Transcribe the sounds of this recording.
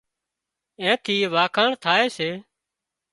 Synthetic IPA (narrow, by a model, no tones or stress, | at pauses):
ẽːt̪ʰiːʋaːkʰãːɳt̪ʰaːeːseː